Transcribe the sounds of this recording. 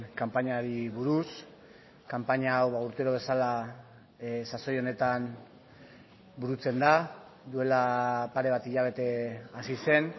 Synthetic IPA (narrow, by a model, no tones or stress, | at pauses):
kampaɲaɾiβuɾus | kampaɲaːwβauɾt̪eɾoβ̞e̞sala | saso̞jo̞ne̞t̪an | buɾut͡se̞nd̪ad̪ue̞lapaɾe̞β̞at̪iʎaβ̞e̞t̪e̞asise̞n